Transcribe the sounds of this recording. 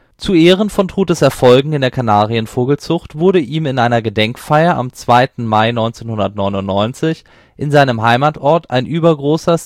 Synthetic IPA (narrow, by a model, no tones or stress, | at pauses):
t͡suʔeːʁ̞ənfɔntʁ̥uːt̚d̥ɛsɛɐfɔlɡŋ̩ɪndeːɐkʰanaːʁiənfoːɡl̩t͡sʊχtv̥ʊɐɾəʔiːmɪnʔaɪnɐɡədɛŋkfaɪɐʔa̰mt͡sv̥aɪtn̩maɪnɔʏnt͡seːnhʊndɐtnɔʏnʊntnɔʏnt͡sɪç | ʔɪnzaɪnəmɦaɪmaːtʔɔɐtʰa̰ɪnʔyːbɐɡʁoːsɐ